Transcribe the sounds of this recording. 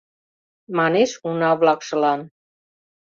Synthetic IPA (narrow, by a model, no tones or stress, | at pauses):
maneʃunaβlakʃə̆lan